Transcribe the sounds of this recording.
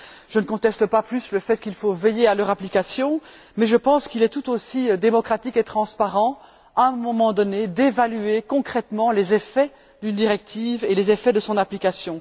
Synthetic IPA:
ʒ̥ənəkɔ̃t̪ɛst̪əpaplysləfɛt̪̚kilfovejealœʁaplikasjɔ̃ | mɛʒəpɑ̃skilɛt̪ut̪osid̪emɔkχat̪iket̪χɑ̃spaʁɑ̃ | aɛmɔmɑ̃d̪ɔned̪evalyekɔ̃kχɛt̪mɑ̃lezefɛ | d̪ynd̪iʁɛk̚t̪ʰiːvelezefɛd̪əsɔ̃naplikasjɔ̃

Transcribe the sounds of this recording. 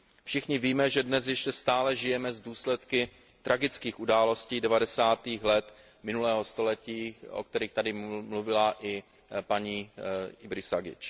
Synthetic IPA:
fʃɪxɲɪviːmɛʒɛdnɛs̬jɛʃcɛst̪aːlɛʒɪjɛmɛzduːslɛt̪kɪ | t̪ɾʔaɡɪt͡skiːxʔudaːlo̞sciːdɛvadɛsaːt̪iːxlɛt̪ | mɪnulɛːɦo̞st̪o̞lɛciːʔo̰k̚t̪ɛɾiːxt̪adɪmluvɪlaʔɪ | paɲiːɪbɾɪsaɡɪ̰t͡ʃ

